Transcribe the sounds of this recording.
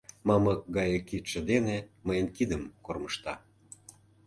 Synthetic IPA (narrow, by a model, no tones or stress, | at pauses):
mɑməkɡɑjəkːit̪ʃĕd̪eneməjənkid̪əmkorməʃt̪ɑ